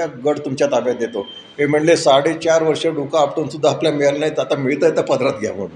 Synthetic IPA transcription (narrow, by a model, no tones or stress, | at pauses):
aɡəɽt̪umt͡ɕjat̪abjad̪et̪o | ɦem̤əɳlesaɽit͡ɕaɾʋəɾʂeɖukaːpʈonsud̪ʱːaːpljamiɭalnajit̪at̪amiɭt̪əjt̪əpəd̪ɾat̪ɡʱja̰ʋṵːn